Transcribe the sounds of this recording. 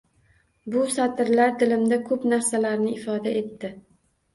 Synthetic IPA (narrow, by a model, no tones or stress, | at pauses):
bʊsat̪ɪɾlaɾd̪ɪlɪmd̪akʰɵpnaɾsalaɾnɪɪfɒd̪ae̞t̪ːɪ